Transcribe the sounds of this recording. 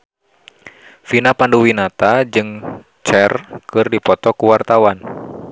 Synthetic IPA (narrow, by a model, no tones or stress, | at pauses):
finapanduwinat̪ad͡ʒɨŋ | t͡ʃɛrkɨrdipɔt̪ɔkuwart̪awan